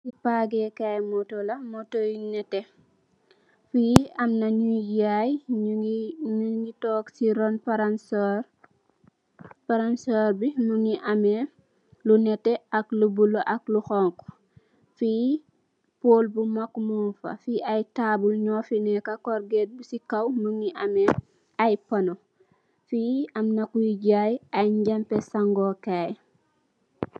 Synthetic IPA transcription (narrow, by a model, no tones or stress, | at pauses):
sipaɡɛkajmɔtɔlɐmɔtojinɛtːɛ | fijiɐmnaɲujaj | ɲuŋɡitɔksiɾɔnpaɾansɔɾ | paɾansɔːɾbinuŋiʔamɛ | lunɛtːɛɐklubuloʔɐkluxɔŋk | fi | poːlbumakːmufɐ̰fiʔɐjtaːbulɲɔfinɛkɐkɔɾɡɛt̚busikɐwmuŋiʔɐmɛ | ɐjpɐno | fiɐmnɐkujiɟaːjɐjɲɟɐmpɛsaŋɡɔkaj